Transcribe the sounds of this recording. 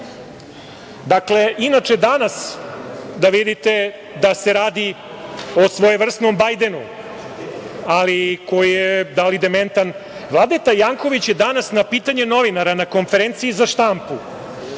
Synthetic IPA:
d̪akle̞ʔinat͡ʂe̞d̪anas | d̪aʋid̪it̪e̞ | d̪aseɾaːd̪i | osʋo̞jeʋr̩st̪no̞mbajd̪e̞nṵ | aliko̞jijed̪alid̪ement̪an | ʋlˠad̪et̪ajaːŋko̞ʋit͡ɕjed̪anasnapiːt̪aɲeno̞ʋinaɾanako̞nfeɾent̪siizaʂt̪ampu

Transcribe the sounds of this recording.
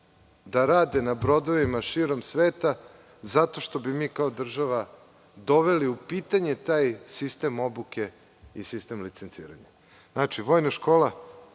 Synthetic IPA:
d̪aɾaːd̪enabɾo̞d̪o̞ʋimaʃiːɾo̞msʋeːt̪a | zat̪o̞ʃt̪o̞bimiːkaod̪r̩ʒaʋa | d̪o̞ʋe̞liupiːt̪aɲet̪aːjsist̪emo̞buke̞ | ḭsist̪e̞mlit̪sent̪sḭːɾa̰ɲa̰ | naːt͡ʃiʋo̞ːjnaʃko̞ːla

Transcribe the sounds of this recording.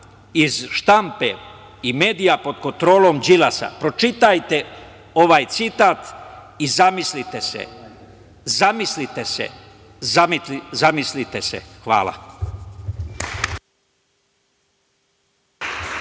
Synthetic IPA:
izʃt̪ampe | ime̞ːd̪ijapo̞d̪ko̞nt̪ɾo̞ːlo̞md͡ʑilasa̰pɾo̞t͡ʃit̪ajt̪e̞ | o̞ʋaːjt̪sit̪aːt̪ | izamislit̪esḛ | zamislit̪esḛ | zamiizamislit̪e̞sḛxʋa̰ːlˠa̰

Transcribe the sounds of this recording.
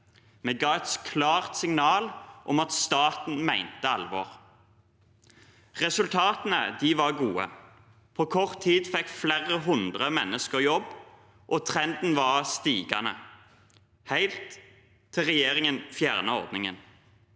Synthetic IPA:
meːɡɑːɛt̪kʰlɑːʁt̪sɪŋnɑːlʔɔ̰mɑt̪st̪ɑːt̪n̩mæɪnt̪əɑlʋɔ̰ːʁ | ʁɛsʉlt̪ʰɑːt̪ənəd̪iʋɑʁɡuːə̰ | pʰoːkʰɔʁt̪ʰːiːd̪fɛkːflæʁəɦʊnd̪ʁəmɛnːəskəʁjɔb | ʔɔt̪ʰʁɛnd̪n̩ʋɑʁst̪iːɡɑnə̰ | hæɪlt̪ʰː | ɪlʁɛjeːʁɪŋənfjæːʁnəɔ̰ʁd̪nɪŋə̰n

